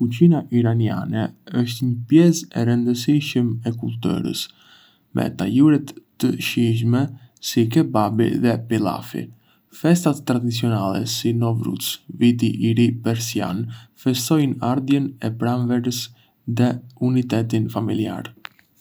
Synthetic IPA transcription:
kut͡ɕinaʔiɾania̰nɛəʃt̪ɲəpjɛsɛɾənd̪əsiʃəmɛkulˠt̪ɛ̰ɾə̰s | mʔɛ̰t̪ajuɾɛt̪ː | əʃiʃ̬mɛ | sik̬ɛbabḭðɛpilˠa̰fḭ | fɛst̪at̪ːɾad̪it͡siɔnalˠɛ̰sinɔvɾṵt͡svit̪̬iʔiɾipɛɾsia̰nfɛst̪ɔjnaɾðjɛnɛpɾanvɛɾəs | ðɛunit̪ɛt̪infamilia̰ɾ

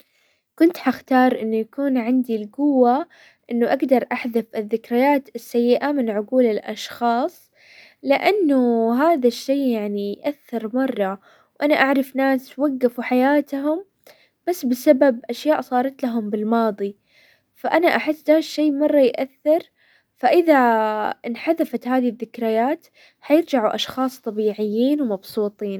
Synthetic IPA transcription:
kʊnt̪ħaxt̪ɑːɾˤʔɪnːujakuːnʕɪnd̪ilɡʊwːa | ʔɪnːʊʔaɡd̪ɑɾˤʔaħðafɪðːɪkɾajaːt̪ɪsːajːɪʔamɪnʕʊɡuːlɪlʔɑ̰ʃxɑːsˤ | lɪʔanːʊɦaːðaʃːeːjaʕnijʔaθːɪɾmɑrˤːɑ | wʔanaʔaʕɾˤɑfnaːswaɡːafuħajaːt̪ɦʊm | b̥asːbɪsababʔaʃjaːʔsˤɑːɾˤɑt̪laɦʊmbɪlmɑːðˤi | faʔanaʔaħɪsːd̪aːʃːeːmɑrˤːɑjʔaθːɪɾˤ | faʔɪðaɪnħaðafat̪haːðiðːɪkɾajaːt̪ | ħajɪɾd͡ʒaʕuʔɑʃxɑːsˤt̪ˤɑbiːʕɪjːiːnwmɑbsˤuːt̪ˤiːn

